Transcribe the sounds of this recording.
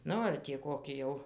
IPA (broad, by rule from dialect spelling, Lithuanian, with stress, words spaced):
ˈnʊ ɐr tʲiː ˈkoːkʲɪ jɛʊ